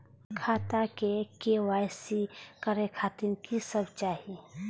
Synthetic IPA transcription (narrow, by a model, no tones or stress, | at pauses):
kʰaːt̪ãkekewaːjsikəɾekʰaːt̪inkisəbt͡ʃaːɦi